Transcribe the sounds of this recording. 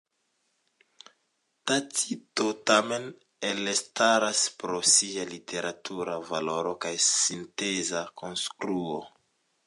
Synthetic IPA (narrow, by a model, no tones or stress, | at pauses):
tatitotamen | elestaɾaspɾosialitʰeɾʔatʰuɾavaloɾokajsintezakonskɾuo